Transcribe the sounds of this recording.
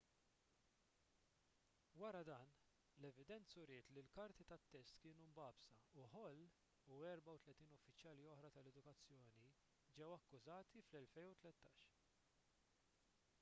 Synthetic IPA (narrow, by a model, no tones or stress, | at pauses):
wɐɾɐd̪ɐːn | lɛvɪd̪ɛnt͡sʊɾɪːt̪lilkɐɾt̪it̪ɐt̪ːɛst̪kɪːnumbɐːbsɐuħɔlː | uɛɾbɐwt̪lɛt̪iːnɔfːɪt͡ʃjɐːliɔħɾɐt̪ɐlɛd̪ʊkɐt͡sːjɔːni | d͡ʒɛwɐkːʊzɐːt̪iflɛlfɛjnut̪lɛt̪ːɐːʃ